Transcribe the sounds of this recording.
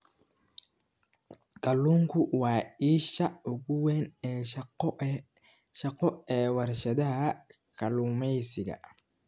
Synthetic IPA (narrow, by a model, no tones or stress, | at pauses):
kʼɐluːŋkʰʊwɑːiːʃɐʊɣʊwɛːnɛː | ʃɐqɔɛːwɐrʃɐd̪ɐhɐkʰɐluːmɛjsɪɡɐ̰